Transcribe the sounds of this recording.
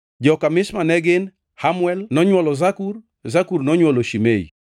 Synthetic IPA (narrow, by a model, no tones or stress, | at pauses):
d͡ʒɔkamɪsmanɛɡɪn | hamwɛlnɔɲwɔlɔzakur | zakurnɔɲwɔloʃimeḭ